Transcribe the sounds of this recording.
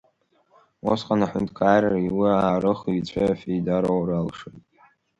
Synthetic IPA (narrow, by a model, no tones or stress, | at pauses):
wo̰sqʼanaħʊntʰʼkʰaːjɾariwiaːɾɨχit͡ɕʷʰʼajafejdaɾowɾalʂɨtʼ